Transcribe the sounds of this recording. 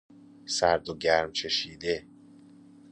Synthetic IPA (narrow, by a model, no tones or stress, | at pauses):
sæɾd̪oɟæɾmt͡ʃʰe̞ʃiːd̪e